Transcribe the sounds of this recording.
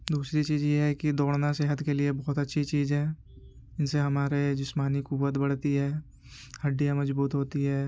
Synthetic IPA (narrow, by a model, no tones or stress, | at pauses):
d̪uːsɾit͡ʃiːzjeɦɛkid̪ɔːɽnaseːɦət̪keliebɔːt̪ɐtːʃʰit͡ʃiːzɦɛ̃ː | ɪnseɦɐmaːɾed͡ʒɪsmaːnikʊwːət̪bɐɽ̤t̪iɦɛː | hɐɖːijãmɐd͡ʒbuːt̪ɦoːt̪iɦɛː